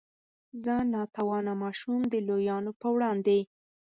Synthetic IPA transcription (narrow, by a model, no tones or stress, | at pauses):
zənɑt̪awɑnamɑʃumd̪əlojɑnopəwɽɑnd̪e